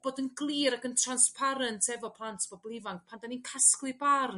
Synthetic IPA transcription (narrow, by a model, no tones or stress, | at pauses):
b̥oːdənɡlˠiːɾakəntʰranspʰaɾəntʰɛvɔpʰlˠantʰv̥ɔblˠɪvaŋ̚pʰandaninkʰasklˠɨbarn